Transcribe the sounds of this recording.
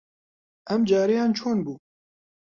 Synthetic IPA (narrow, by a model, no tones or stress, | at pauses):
ʔɛmd͡ʒaːɾijɑːnt͡ʃʰoːnbuː